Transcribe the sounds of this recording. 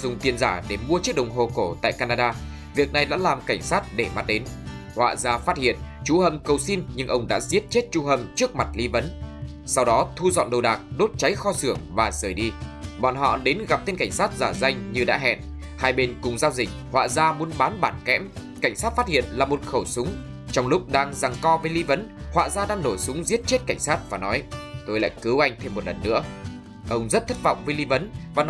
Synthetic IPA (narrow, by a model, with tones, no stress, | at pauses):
zʊ˧ŋ͡mt̪i˧ənzaː˧˩ɗe˧˩mu˧ət͡ɕək̚ɗə˨˩wŋ͡mɦo˨˩ko˧˩t̪a̰ː˧˨jkaː˧naː˧ɗaː˧ | vi˨˩ək̚na˨˩jɗa̰ː˧˥laː˨˩mka˧˩jŋ̟saː˦˥t̚ɗe˧˩ma˦˥t̚ɗe˨˦n | hwa̰ː˧˨zaː˧faː˦˥t̚hḭ˧˨ənt͡ɕu˧˩hə˨˩mkə˨˩wsi˧nɲɨ˧ŋʔə˧wŋ͡mɗa̰ː˧˥zi˦˥ət̚t͡ɕe˦˥t̚t͡ɕu˧hə˨˧˩mt͡ɕɨ˦˥ək̚ma˨˩t̚li˨˦və˨˦n | sa˧wɗɔ˨˦t̪ʰu˧zɔ̰˧˨nɗə˨˩wɗaː˨˩k̚ɗo˦˥t̚t͡ɕa˨˦jxɔ˧sɨ˧˩əŋvaː˨˩zəː˧˩jɗi˧ɓɔ̰ː˧˨nɦɔ̰˧˨ɗe˨˦nɣa˨˩p̚t̪e˧nka˧˩ŋ̟saː˦˥t̚zaː˧˩za˧jŋ̟ɲɨ˧ɗa̰ː˧˥ɦɛ̰˧˨n | haː˧jɓe˧nkʊ˨˩ŋ͡mzaː˧wzï˨˩k̟̚hwa̰ː˧˨zaː˧mu˨˦ənɓaː˨˦nɓaː˧˩nkɛ̰˧˥mka˧˩jŋ̟saː˦˥t̚faː˦˥t̚hḭ˧˨ənlaː˨˩mo˨˩t̚xə˧˩wsʊ˨˦ŋ͡m | t͡ɕɔ˧wŋ͡mlʊ˦˥k͡p̚ɗaː˧ŋza˨˩ŋkɔ˧vəː˨˦jli˧və˨˦nhwa̰ː˧˨zaː˧ɗaː˧ŋno˧˩jsʊ˨˦ŋ͡mzi˦˥ət̚t͡ɕe˦˥t̚ka˧˩jŋ̟saː˦˥t̚vaː˨˩nɔ˨˦jt̪o˧jla̰ː˧˨jkɨ˨˦wʔa˧jŋ̟t̪ʰe˧mː˨˩t̚lə˨˩nːɨ̰˧˥ə | ʔə˧wŋ͡mzə˦˥t̚t̪ʰə˦˥t̚vɔ̰˧˨wŋ͡mvəː˨˦jli˧və˨˦nvaː˨˩n